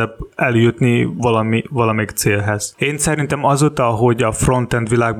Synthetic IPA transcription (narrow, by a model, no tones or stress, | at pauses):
ɛb̚ɛljut̪nivɒlɒmivɒlɒmɛikt̪seːlɦɛz̥eːnsɛɾint̪ɛmɒzoːt̪ɒɦo̞ɟɒfro̞nt̪ɛnd̪ʋilaːɡ̚b